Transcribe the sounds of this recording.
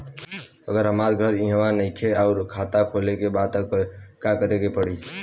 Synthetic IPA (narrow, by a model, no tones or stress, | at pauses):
əɡəɾɦəmaɾɡʱəɾĩɦəwanəɪ̃kʰeɔʊɾkʰat̪akʰolekebad̪kakəɾekepəɽi